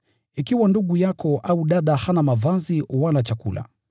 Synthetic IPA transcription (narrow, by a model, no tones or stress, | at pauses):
ikiwanduɠujakʰɔʔauɗaɗahanamavaziwanat͡ʃakṵla̰